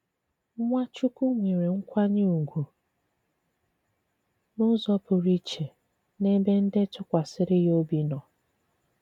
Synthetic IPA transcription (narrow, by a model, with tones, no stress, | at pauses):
ŋʷa˦t͡ʃu˦ku˦ŋʷi˨ɾe˨ŋ̩˦kʷa˦ɲi˦u˨ɡʷu˨ | nʊ˦zɔ˦pʊ˨ɾi˦t͡ʃe˨ | ne˦be˦n̩˦dɪ˦tʊ˦kʷa˨sɪ˦ɾɪ˦jo˦bi˨nɔ˨